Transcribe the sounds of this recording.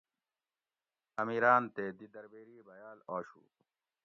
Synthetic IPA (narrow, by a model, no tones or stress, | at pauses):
ɐmiːɾaːnt̪eːd̪id̪ɐɾbeːɾiːbɐjaːloːɕṵː